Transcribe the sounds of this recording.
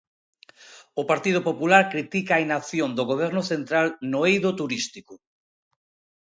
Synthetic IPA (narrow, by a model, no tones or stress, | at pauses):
ʊpaɾt̪ið̞ʊpopulaɾkɾit̪ikaːinaθjond̪ʊɣoβ̞ɛɾnʊθent̪ɾalnoejðot̪uɾist̪ikʊ